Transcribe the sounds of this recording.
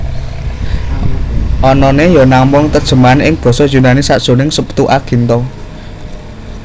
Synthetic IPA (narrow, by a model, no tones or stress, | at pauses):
ʔɔnɔnejɔnambɔŋt̪əd̥ʒ̥ə̤manɪŋb̥ɔ̤sɔd̥ʒ̥ṳnanɪsaʔd̥ʒ̥o̤nɪŋsəpu̥t̪uʔaɡ̥i̤nt̪ɔ